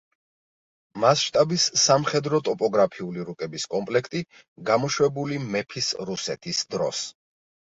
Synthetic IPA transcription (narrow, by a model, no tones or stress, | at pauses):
masʃt̪ʼabisːamχɛd̪ɾɔt̪ʼɔpʼɔɡɾapʰiuliɾukʼɛbiskʼɔmpʼlɛkʰt̪ʼi | ɡamɔʃwɛbulimɛpʰisɾusɛt̪ʰisd̪ɾɔ̰s